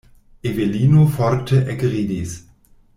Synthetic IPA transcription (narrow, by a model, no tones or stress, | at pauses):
ʔeveliːnofɔɾtʰəʔɛkʁiːdis